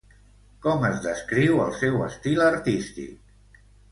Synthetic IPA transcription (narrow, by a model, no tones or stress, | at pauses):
kɔməzðəskɾiwəlˠsɛwəst̪iləɾt̪ist̪ḭk̚